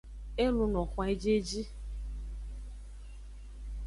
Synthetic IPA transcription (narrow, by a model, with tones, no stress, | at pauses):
e˦lu˧nɔ˨kʷa˦e˦d͡ʒe˦d͡ʒi˦